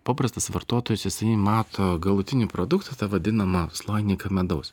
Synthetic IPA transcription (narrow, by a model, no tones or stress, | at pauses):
pɑːpɾɐst̪ɐsʋɐɾt̪oːt̪oːjʊsjɪsɐɪmɑːt̪ʰoːɡɐlˠʊt̪ʲɪnʲiːpɾoːd̪ʊkt̪ɐt̪ɐʋɐd̪ʲɪnɐmɐslˠɐɪnʲikɐmʲɛd̪ɐʊs